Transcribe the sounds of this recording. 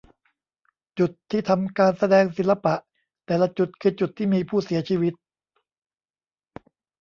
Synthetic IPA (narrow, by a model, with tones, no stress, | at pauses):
t͡ɕu˨˩t̪ʰːiː˥˩t̪ʰa˧mkaː˧nsa˧dɛː˧ŋsi˨˩˦la˧pa˨˩ʔ | t̪ɛː˨˩la˧˩t͡ɕu˨˩t̪̚kʰɯː˧t͡ɕu˨˩t̪ʰːiː˥˩miː˧pʰuː˥˩si˩˦ɐt͡ɕʰiː˧wi˦˥t̪̚